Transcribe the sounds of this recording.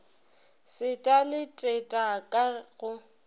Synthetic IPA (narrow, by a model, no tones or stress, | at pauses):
sɪtʼalɪtʼetʼakʼaɣʊ